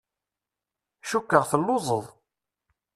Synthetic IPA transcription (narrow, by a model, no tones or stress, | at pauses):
ʃukːəʁθəlːʊzˤəðˤ